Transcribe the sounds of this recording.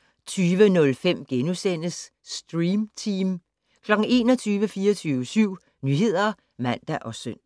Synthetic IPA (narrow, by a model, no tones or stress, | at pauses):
t͡sʰyːʋənɔ̽lfem̰ɡ̥enusen̰əsː | d̥ʁiːmt͡sʰim | kʰlɒ̽ɡ̥ŋ̩e̝ːnɒ̽t͡sʰyːʋəfiːɐt͡sʰyːʋəsyʊ̰ | nyːɦe̝ð̞̰ˠɐ | mæn̰d̥æʔɒ̽søn̰